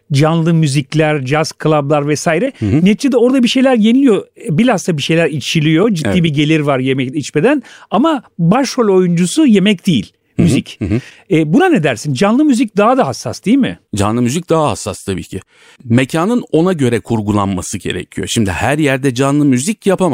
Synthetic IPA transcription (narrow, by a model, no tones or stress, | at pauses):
d͡ʒanlˠɯmyziclʲæɾd͡ʒazkʰlˠablˠaɾvɛsaːjiɾɛnɛt̪t͡ʃʰed̪ɛo̞ɾd̪abiʃe̞jlʲæɾjenilʲijo̞bilʲazt̪abiʃe̞jlʲæɾit͡ʃʰilʲijo̞d͡ʒit̪ːiːbiɟe̞lʲiɾvaɾjemɛcit͡ʃme̞d̪ænamabaʃholʲo̞jund͡ʒusuje̞mɛc̚d̪̥ejḭlʲ | myzic | ɛːbunane̞d̪æɾsind͡ʒanlˠɯmyzic̚d̪aɦad̪aɦasːasd̪ijilʲmɪ̰d͡ʒa̰nlˠɯmyzic̚d̪aɦaha̰sːast̪ʰabḭːcʰɪ | me̞cʰaːnɯno̞naɟø̞ɾɛkʰuɾɡulˠa̰nmasɯɟe̞̰ɾɛ̰cʰijoʃimd̪ɪ̰hæɾjæɾd̪ɛd͡ʒanlˠɯmyzicjapʰama